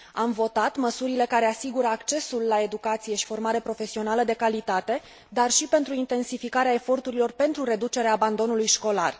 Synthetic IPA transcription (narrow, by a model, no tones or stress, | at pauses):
amvo̞t̪at̪məsuɾile̞kaɾe̞asiɡuɾəakt͡ʃe̞sulːae̞d̪ukat̪sije̞ʃi̥fo̞rmaɾe̞pɾo̞fe̞sio̞naləd̪e̞kalit̪at̪e̞ | d̪arʃipe̞nt̪ɾuint̪e̞nsifikaɾeae̞fo̞rt̪uɾilo̞rpe̞nt̪ɾuɾe̞d̪ut͡ʃe̞ɾeaːband̪o̞nulujʃko̞lar